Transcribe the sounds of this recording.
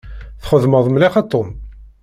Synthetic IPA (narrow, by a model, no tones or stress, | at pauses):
θχəðməðˤmliχɑt̪ˤːom